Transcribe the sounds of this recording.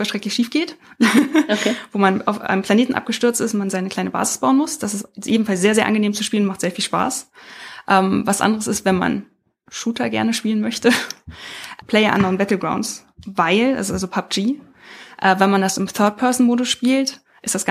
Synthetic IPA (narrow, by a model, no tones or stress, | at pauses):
fɛɐʃtʁɛktlɪçʃiːfɡ̥eːt | kːvoːmanʔaʊfʔa̰ɪnəmpl̥aneːtn̩ʔa̰p̚ɡ̥əʃtʏɐt͡stɪsʊnmanzaɪnəkl̥aɪnəba̰ːzɪ̥sb̥aʊənmʊsd̥asɪstʔeːbm̩falsz̥eːɐzeːɐʔanɡəneːmt͡suʃpiːlənmaχtz̥eːɐfiːlʃpa̰ːsʔɛːmvasʔa̰ndəʁəsɪstv̥ɛnma̰n | ʃuːtʰɐɡɛ̰ɐnəʃpiːlənmœçtə | ʔpʰl̥ɛɪɐʔa̰nɐʊnb̥ɛtl̩ɡʁa̰ʊns | vaɪlʔa̰lzalzopʰap̚d͡ʒ̥iː | ʔɛːvɛnmandasɪmθœɐt̚pʰɛɐzn̩moːdʊsʃpiːlt | ʔɪstd̥asɡ̥